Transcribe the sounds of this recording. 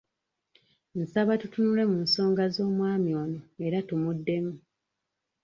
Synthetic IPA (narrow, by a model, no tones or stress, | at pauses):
n̩saβatutunule̞munso̞ːŋɡazo̞ːmwaːmjoːnoe̞ɾatumudːe̞mu